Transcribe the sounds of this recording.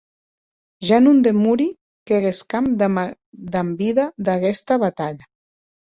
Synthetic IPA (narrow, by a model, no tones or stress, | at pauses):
ʒanund̪emuɾi | keɣeskamd̪ | d̪ambiðad̪aɣɛst̪aβat̪aʎa